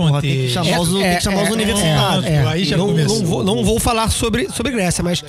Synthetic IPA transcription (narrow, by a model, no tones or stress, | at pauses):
õɔt̪ẽkʃamɛazeɛ̃kɪʃamaɾuzunivesiɛt̪ãɛaianɐ̃w̃enɐ̃w̃vownɐ̃w̃vowfalaɾsobɾɪsobɾɪɡɾɛsjɐmɐʃ